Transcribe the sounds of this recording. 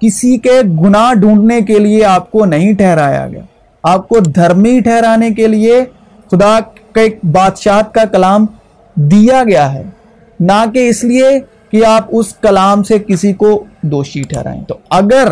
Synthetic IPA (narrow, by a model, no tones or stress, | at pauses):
kɪsikeɡʊnaɖʱũːɳɖnekelieaːp̚konɐɦĩʈʰɛɦɾaːja̰ɡɐ̰ja̰ː | aːp̚kod̪ʱɐɾmiʈʰɛɦɾaːnek̬elie | xʊd̪akek̚baːd̪ʃaːt̪̚kakɐlaːm | d̪ijaɡɐjaɦɛ̰ː | nakeɪslie | kiaːpʊskɐlaːmsekɪsikod̪oːʃiʈʰɛ̰ːɾa̰ːḛ̃t̪oɐɡəɾ